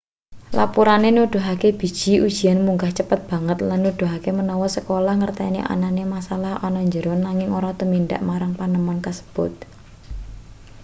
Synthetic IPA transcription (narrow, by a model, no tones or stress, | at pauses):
la̰puɾanenuɖ̪̥o̤ɦakeb̥i̤d̥ʒ̥i̤ʔud̥ʒ̥i̤anmuŋɡaht͡ʃəpət̪̚b̥ä̤ŋət̪lanːuɖ̥o̤ɦakemənɔwɔsəkolahŋərt̪ɛnḛʔa̰nanemasalahɔnɔɲd͡ʒəɾʊnːaŋɪŋoɾɔt̪əminɖa̰ʔmaɾaŋpanəmɔnkəsə̥b̥ʊt̪̚